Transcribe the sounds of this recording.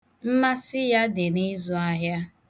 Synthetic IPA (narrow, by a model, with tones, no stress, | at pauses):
m̩˦ma˦sɪ˦ja˦dɪ˨ni˦zu˦a˦ɦja˦